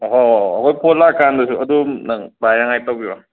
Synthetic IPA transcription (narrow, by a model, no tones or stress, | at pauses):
ɦoɐkʰojpʰolːakandɐsuɐdunabajɾaŋajtawɡiba